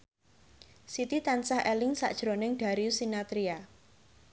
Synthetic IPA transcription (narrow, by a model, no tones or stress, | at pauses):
sit̪it̪ansahʔɛlɪŋsa̰ʔd̥ʒ̥ɾonɪŋɖ̥a̤ɾiusinat̪ɾia